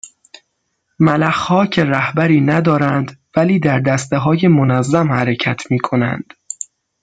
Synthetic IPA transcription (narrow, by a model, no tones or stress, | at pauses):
mælæxhɒːcʰe̞ɾæhbæɾiːnæd̪ɒːɾænd̪væliːd̪æɾd̪æst̪eɦɒːje̞monæzːæmhæɾecʰæt̪ʰmiːkʰo̞næ̰nd̪̥